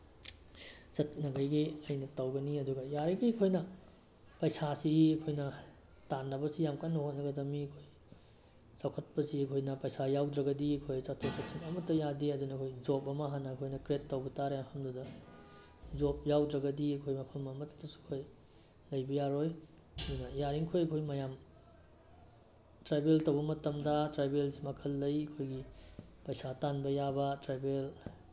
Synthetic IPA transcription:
t͡ʃɐt̚nɐɡɐjɡiɐjnɐtɐwɡɐniɐduɡɐjaɾɐɡiɐkʰojnɐ | pɐjsasiɐkʰojnɐ | tanːɐbɐsijamkanːɐhot̚nɐɡɐdɐmiɐkʰoj | t͡ʃawkʰɐt̚pɐsiɐkʰojnɐpɐjsajawdɾɐɡɐdiɐkʰojsɐtʰosɐt̚sʰimɐmɐtːɐjadiɐdunɐkʰojd͡ʒopɐmɐɦanːɐːkʰojnɐkɾetːɐwbɐtaɾeahɐmdudɐ | zop̚jawdɾɐɡɐdiɐkʰojmɐpʰɐlmɐmɐtɐ̥tɐsu̥kʰoj | lɐjbɐjaɾoj | ɐdunɐjaɾiŋkʰojɐkʰojmɐjam | tɾabeltɐwbɐmɐtɐmdɐtɾajbelsimɐkʰɐlːɐjɐkʰojɡipɐjsatanbɐjabɐtɾajbel

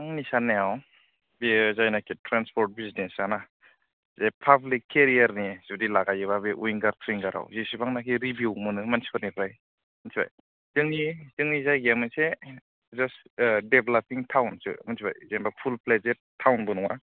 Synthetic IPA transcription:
ŋnisanːeaw | bizajnakʰitʰɾanspʰɔɾt̚biznesana | zepʰablikʰːeɾiaɾniz̥udilaɡajɯβabeʔuiŋɡaɾt̪ʰɾiŋɡaɾa̰wzisibaŋnakʰiɾibjuwmɯnɯmansi̥pʰat̚nipʰɾaj | mansiba̰j | z̥ɯŋnizɯŋnizajɡemɯse | zasdebelapiŋtʰawnsɯ̰mansiba̰jzenbapʰulpled͡ʒeɾtʰawnbɯnɔŋa̰

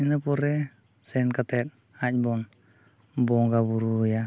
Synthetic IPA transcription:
inəpoɾɛ | sɛnkat̪ɛt̪̚ | ac̚bɔn | bɔŋɡabuɾuja

